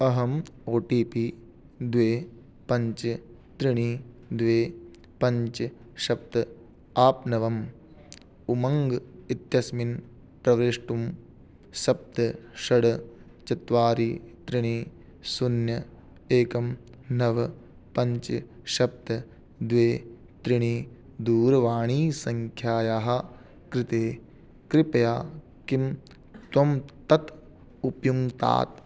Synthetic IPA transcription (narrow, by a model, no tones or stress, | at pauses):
ɐɦɐmoːʈiːpiː | d̪ʋeː | pɐɲt͡ʃɨ | t̪ɾiɳ̃iː | d̪ʋeː | pɐɲt͡ʃɨ | ʃɐp̚t̪ɐ | aːpnɐʋɐm | umɐŋɡit̪jɐsmin | pɾɐʋɾeːʂʈum | ʃɐp̚t̪ɐʃɐɽɐ | t͡ʃɐt̪ʋaːɾiːt̪ɾiɳiː | sunjɐ | eːkɐm | nɐʋɐ | pɐɲt͡ʃɐ | ʃɐp̚t̪ɐ | d̪ʋeː | t̪ɾiɳiː | d̪uːɾɐʋaːɳ̃iːsɐŋkʰjaːjaːɦɐ̆ | kɾɪt̪eː | kɾɪpɐjaː | kim | t̪wɐmt̪ɐt̪ | upjuŋt̪a̰ːt̪